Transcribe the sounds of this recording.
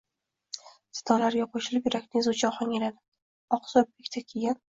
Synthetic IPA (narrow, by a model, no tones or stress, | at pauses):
sɪ̥t̪ʰɒlaɾɡʲaqʰoʃɪlɪpjeɾakʲnɪzut͡ʃʰɒχɒŋʲelad̪ɪ | ɒqsob̚ekʲt̪ʰakʲʰeɡʲan